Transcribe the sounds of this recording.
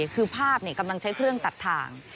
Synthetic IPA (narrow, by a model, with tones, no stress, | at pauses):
kʰɯː˧pʰaː˥˩p̚ni˥˩ka˧mla˧ŋt͡ɕʰa˦˥jkʰɾɯ˥˩əŋt̪a˨˩t̪ʰːa̰ː˧ŋ